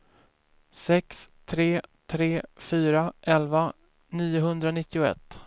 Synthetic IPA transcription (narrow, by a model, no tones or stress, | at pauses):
sɛkst̪ʰɾeːt̪ʰɾeːfyːɾaʔɛlva | niːʊɦɵnd̪ɾanɪt̪ːɪʊɛ̰t̪ː